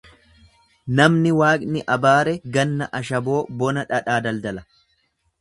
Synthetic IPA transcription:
nɐmnɪwaːkʼnɪʔɐbaːɾɛɡɐnːɐʔɐʃɐbo̞ːbɔnɐᶑɐᶑaːd̪ɐld̪ɐlɐ

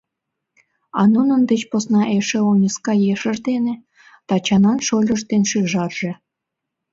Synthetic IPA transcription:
ɑnunə̆nd̪et͡ɕposnɑʔeʃĕonʲiskɑjeʃə̆ʒd̪enĕ | t̪ɑt͡ɕɑnɑnʃolʲə̆ʃd̪enʃiʒɑrʒĕ

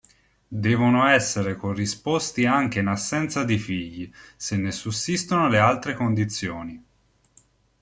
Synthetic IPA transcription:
d̪ɛːvonoɛsːeɾekorːispost̪iaŋk̟einasːɛnt̪sad̪ifiʎːisenːesusːist̪onolealt̪ɾekond̪it̪sːjoːni

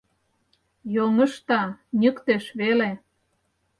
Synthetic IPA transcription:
joŋə̆ʃt̪ɑnʲəkt̪eʃβele

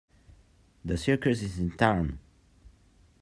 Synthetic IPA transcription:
ðəsikəsɪzɪ̃ntʰãʊ̃n

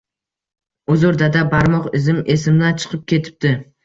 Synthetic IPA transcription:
ʊzʊɾd̪ad̪abaɾmɒqɪzɪmesɪmd̪ant͡ʃʰɨ̥qʰɨp̚kʲʰe̞t̪ʰɪ̥p̚t̪ɪ

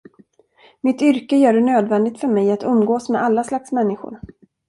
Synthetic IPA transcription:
mɪt̪ʏɾkəjœːɖɛnøːd̪vɛnd̪ɪt̪fœɾmɛjat̪ɵmːɡoːsmɛd̪ʔalːaslaksmɛnːɪɧʊ̰ɾ

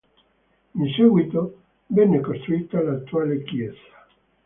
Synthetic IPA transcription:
insuɡwit̪o | vɛnːekost̪ɾuiːt̪alat̪ːuaːlekjɛːzḁ

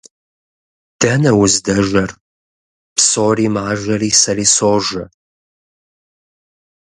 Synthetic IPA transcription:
d̥ɐnɐwʊzdɐʒʷɐr | psoːriːmaːʒɐriːsɐriːsoːʒɐ

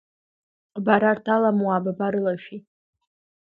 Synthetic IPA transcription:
baɾartʰalamwababaɾɨlaʃᶣi

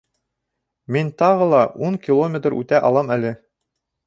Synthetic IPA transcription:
mint̪ɑʁɤ̆lˠɑʔuŋkʲilˠomʲet̪rʉ̰t̪æʔɑ̰lˠɑmælɘ

